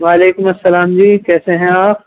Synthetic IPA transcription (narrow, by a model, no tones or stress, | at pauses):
ʋaːleːkʊmɐsːɐlaːmd͡ʑiːkɛːsẽɦɛ̃aːp̚ʰ